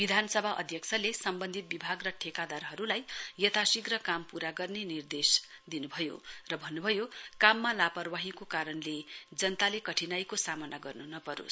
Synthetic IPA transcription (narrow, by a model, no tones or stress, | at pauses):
bid̪ʱanʌsʌbʱaʔʌ̰d̪ʱjʌkt͡sʰʌlesʌmbʌnd̪ʱit̪̚bibʱaɡrʌʈʰekad̪arɦʌɾulajjʌt̪ʰasiɡrʌkampuɾaɡʌrnenird̪esd̪inubʱʌjo̰rʌbʱʌnːubʱʌjokamːalapʌrwaɦikokaɾʌnled͡zʌnt̪alekʌʈʰinajkosamʌnaɡʌrnunʌpʌɾo̰s